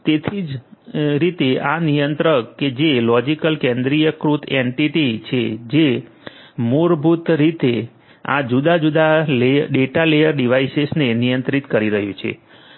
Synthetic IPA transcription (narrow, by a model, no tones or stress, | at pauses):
t̪et̪ʰid͡ʒɾit̪eanijənt̪ɾəked͡ʒelɔd͡ʒikəlkẽnd̪ɾijəkɾut̪ʰeɳʈiʈit͡ʃʰḛd͡ʒe | muɾbʱut̪ɾit̪e | a̰d͡ʒud̪ad͡ʒud̪aleɖeʈalejəɾɖiʋaisesnenijənt̪ɾit̪kəɾiɾəɦjũt͡ʃʰḛ